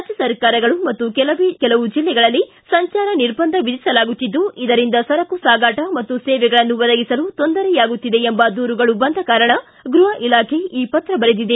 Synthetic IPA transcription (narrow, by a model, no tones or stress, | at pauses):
ɾad͡ʒɐsɐɾkaːɾɐɡɐɭumɐt̪ːukɛlɐʋkɛlɐʋud͡ʒilːɛɡɐɭɐlːi | sɐɲt͡ʃaːɾɐniɾbɐnd̪ʱɐʋid̪isɐlaːɡut̪ːid̪ːuid̪ɐɾind̪ɐsɐɾɐkusaːɡaːʈɐmɐt̪ːusɛːʋɛɡɐɭɐnːuʋɐd̪ɐɡisɐlut̪o̞nd̪ɐɾɛjaːɡut̪ːid̪e̞embɐd̪uːɾuɡɐɭubɐnd̪ʱɐkaːɾɐɳɐ | ɡɾuɦɐʔilaːkʰe̞iːpɐt̪ːɾɐbɐɾed̪id̪e